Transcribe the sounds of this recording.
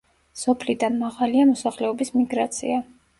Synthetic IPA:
sɔpʰlid̪anmaʁaliamɔsaχlɛɔbismiɡɾat̪sʰḭa

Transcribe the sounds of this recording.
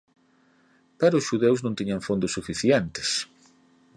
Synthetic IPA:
paɾʊsʃuðewznõnt̪iɲaɱfond̪ʊsːufiθjent̪ɪ̥s

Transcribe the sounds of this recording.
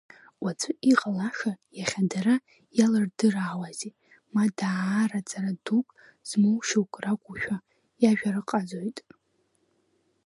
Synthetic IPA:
wat͡sʷʰɨʔiqʼalaʂajaχʲadaɾa | jalɨrdɨraːwazi | madarat͡sʼaradukʼ | z̥mowʃowkʷʼrakʷʼuʃᶣa | jaʒᶣarɨqʼad͡zo̞jtʼ

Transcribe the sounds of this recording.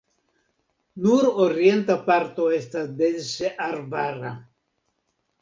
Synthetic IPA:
nuɾoɾjent̪apaɾt̪oest̪ad̪elseʔarbara

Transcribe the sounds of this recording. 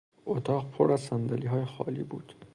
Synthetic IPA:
ot̪ʰɒːʁpʰoɾæzsænd̪æliːɦɒːjexɒ̰ːlḭːbuːd̪̥

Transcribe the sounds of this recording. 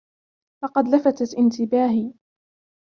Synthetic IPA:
lɑqɑd̪lafat̪aʔɪnt̪ɪbaːɦi

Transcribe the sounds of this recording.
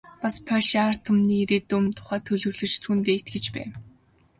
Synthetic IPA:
paspʰœʃar̥t̪ʰʊmniːiɾeːt̪ɵmt̪ʰʊ̥χæːt̪ʰɵɮɵ̆ɣɮɵ̆t͡ɕt̪ʰuːnt̪eːet̪ɡɘ̆t͡ɕpæ̰ː

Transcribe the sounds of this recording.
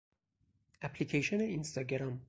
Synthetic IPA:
æpʰlikʰejʃoneinst̪ɒɡeɾɑm

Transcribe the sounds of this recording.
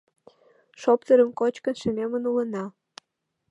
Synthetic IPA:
ʃopt̪əɾə̆mkot͡ɕkə̆nʃə̆memənulə̆nɑ

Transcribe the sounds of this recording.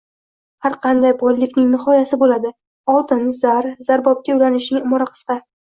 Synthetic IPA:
haɾqʰɑnd̪ajbɒjlɪkʲnɪŋnɪχɒjasɪbolad̪ɪ | ɒlˠt̪ʰɪnzaɾz̥aɾbɒp̚kʲawlanɪʃnɪŋɪmɒɾaqʰɨ̥sqɑ

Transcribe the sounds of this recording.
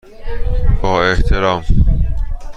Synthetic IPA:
b̥ɒːeht̪ʰeɾɒːm

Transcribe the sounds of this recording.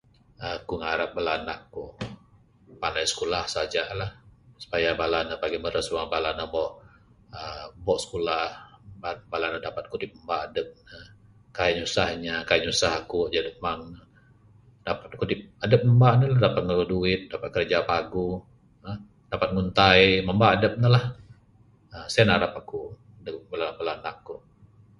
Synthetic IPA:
əkuŋaɾap̚bəlana̰ʔku | pandajsə̥kulahsad͡ʒalahsu̥pajabalanəpaɡiməɾəsuaŋbalanəbɔʔ | əbɔʔsə̥kulahbabalanədapat̪̚kut̪ip̚əmbaːdəp̚nə | kajaɲusahɲakajəɲusaɦakud͡ʒadəpmaŋnə | dapat̪̚kut̪ɪp̚adəp̚məmbanəladapat̪̚ŋəuduɪt̪̚dapat̪̚kərd͡ʒapaɡu | ə | d̥apat̪̚ŋunt̪ajməmbaːdəp̚nəlah | əsajanaɾapaku | dəbəlabəlanaʔku

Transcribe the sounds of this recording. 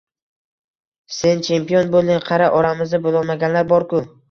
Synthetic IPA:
se̞nt͡ʃʰe̞mpijo̞nbolɪŋqʰɑɾaʔɒɾamɪznɪbolˠɒlˠmaɡʲanlaɾbɒɾkʊ

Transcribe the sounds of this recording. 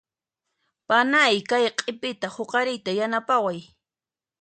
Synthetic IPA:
panajkajqʼɪpɪt̪ahoqɑɾɪjt̪ajanapawaj

